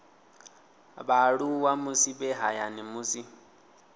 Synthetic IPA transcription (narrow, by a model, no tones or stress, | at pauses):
baɺuwamusibɛɦajanimusi